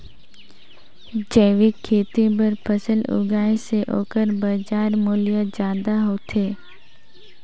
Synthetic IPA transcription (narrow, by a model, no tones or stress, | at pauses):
d͡ʒəːʋikʰːeːt̪ibəɾpʰəsəlʊ̰ɡaːẽseʔo̰ːkəɾbəd͡ʒaːɾmoːlijad͡ʒjaːd̪aɦoːt̪ʰeː